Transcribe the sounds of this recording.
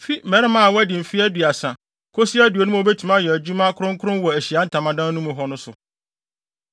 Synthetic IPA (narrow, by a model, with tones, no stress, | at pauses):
fi˦mɛ̃˨ɾɪ˦mã˦a˨wɔ˦æ˦dɪ̃˨m̩˨fi˦æ˦dɥa˨sã˨ | kʰo˦si˦æ˦du˨o˨nʊ̃˦m˦o˨be˦tʰu˨mã˦˨jɔ˨æ˨d͡ʑu˦mã˦kʰʊ˦ɾʊ̃˦ŋ˦kʰʊ˦ɾʊ̃˦nwɔ˨æ˨ɕi˨a˨˦n̩˦˨tʰã˨mã˨dã˦nːũ˦mʊ̃˨ɦɔ˦nʊ̃˦sʊ˨